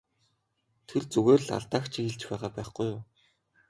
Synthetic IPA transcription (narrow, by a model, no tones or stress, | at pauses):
t̪ʰert͡sɵɣeːrɮa̰ɮt̪aːkt͡ɕʰixeɮt͡ɕpæːʁaːpæːχɡujʊː